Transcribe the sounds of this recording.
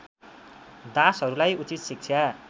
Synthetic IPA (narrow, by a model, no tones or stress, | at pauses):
d̪asɦʌɾulajut͡sit̪sik̚t͡sʰja